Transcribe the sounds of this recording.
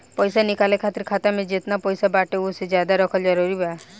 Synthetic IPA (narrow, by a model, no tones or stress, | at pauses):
pɔjsanikalekʰat̪iɾkʰat̪amed͡ʒet̪napɔjsabaʈeused͡ʒad̪aɾɔkʰɔld͡ʒɔɾuɾiba